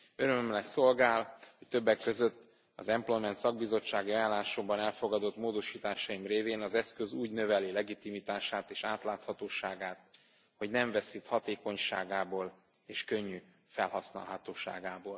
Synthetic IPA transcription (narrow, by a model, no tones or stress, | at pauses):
øɾømømlɛso̞lɡaːlho̞ct̪ø̞bːɛkːø̞zøt̪ː | ɒ̰zɛmplojmɛnt̪sɒɡ̚bizo̞t͡ʃːaːɡiɒjaːlːaːʃobɒnɛlfoɡɒd̪o̞t̪moːd̪o̞ʃiːt̪aːʃɒjimreːveːnɒzɛskøzuːɟnø̞vɛlilɛɡit̪imit̪aːʃaːt̪eːʃaːt̪laːt̪hɒt̪oːʃaːɡaːt̪ | ho̞ɟnɛɱvɛsit̪hɒt̪eːko̞ɲʃa̰ːɡaːboːl | eːʃkø̞ɲːy | fɛlhɒsnɒ̰lɦɒt̪oːʃa̰ːɡaːboːl